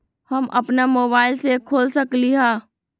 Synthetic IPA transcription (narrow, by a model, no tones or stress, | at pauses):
həmʔəpnamobaːɪlsekʰoːlsəkliɦã